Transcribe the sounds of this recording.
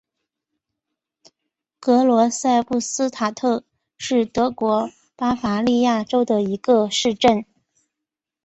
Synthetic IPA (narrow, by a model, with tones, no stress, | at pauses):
kɤ˧˥lwɔ˧˥sa˥˧ɪpu˥˩sɹ̩˥t̪ʰa˨˩t̪ʰɤ˥˩ | ʂɻ̩˥˩t̪ɤ˧˥kwɔ˧˥ | pa˥fa˧˥li˥˧ja˥˩ʈ͡ʂo˥ʊd̪ə˨i˧˥ɡə˧ʂɻ̩˥˧ʈ͡ʂə˥˩n